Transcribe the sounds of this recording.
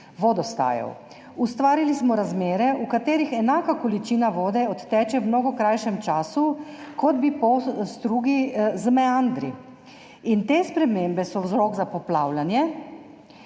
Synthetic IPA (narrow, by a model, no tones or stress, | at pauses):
ʋɔd̪ɔst̪a̰ːjɔ̰w | ust̪ʋaːɾilismɔɾazmeːɾɛʔukat̪eːɾixɛnaːkakɔlit͡ʃinaʋoːd̪ɛɔt̪ːɛːt͡ʃɛwmnɔːɡɔkɾajʃɛmt͡ʃaːsukɔd̪bipɔst̪ɾuːɡizmɛand̪ɾḭ | int̪espɾɛmeːmbɛsɔwzɾɔɡzapɔplaːwlanjɛ